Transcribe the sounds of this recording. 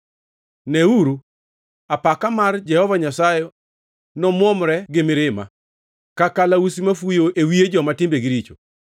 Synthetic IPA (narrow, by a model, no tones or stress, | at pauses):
nɛuɾu | apakamard͡ʒɛhɔvaɲasaje | nɔmwɔmɾɛɡɪmɪɾɪma̰ | kakalausimafujoʔewied͡ʒɔmatɪmbeɡiɾit͡ʃo